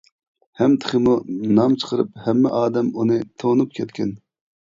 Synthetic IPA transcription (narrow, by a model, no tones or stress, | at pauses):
hɛmt̪ʰɨ̥χəmunɑmt͡ʃʰə̥qʰəɾɨ̰phɛmːɛ̰ʔɑːd̪ɛmunɨt̪ʰonup̚kʲʰɛt̪kʲɛn